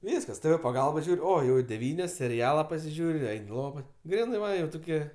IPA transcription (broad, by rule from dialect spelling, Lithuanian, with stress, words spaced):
ˈʋʲiːskɐs tɘ ʋɘ pɐˈɡɐlˠbɐ ˈʒʲuːrʲ ˈoː ˈjɛʊ ɪ dʲɛˈʋʲiːnʲoːs sʲɛrʲɪˈɑːlˠɐ pɐsʲɪˈʒʲuːrʲ ɪ ˈɛɪnʲ ɪ ˈlˠoːʋɐ ˈɡrʲiːnɜ ʋɐ ˈjɛʊ tʊˈkʲiɛ